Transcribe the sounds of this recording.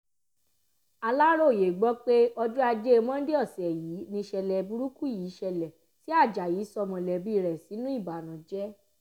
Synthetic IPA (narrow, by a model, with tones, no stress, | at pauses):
a˧la˦ɾo˦˨je˨ɡ͡bɔ˦k͡pe˦ɔ˧du˦a˧d͡ʒe˦˧mɔ̃˦n̩˦de˦ɔ˦˨sɛ˨jiː˨˦nĩ˧ʃɛ˧lɛ˨bu˧ɾu˦ku˦˨jiː˨˦ʃɛ˧lɛ˨ | si˦a˦˨d͡ʒa˨jiː˨˦sɔ˧mɔ̃˧˨lɛ˨bi˦˧˨ɾɛ˨si˨˦nũ˦i˦˨ba˨nã˨d͡ʒɛ˦